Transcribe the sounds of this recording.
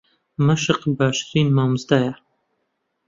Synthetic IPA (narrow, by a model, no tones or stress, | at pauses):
məʃəqbaːʃɾinmamzd̪aja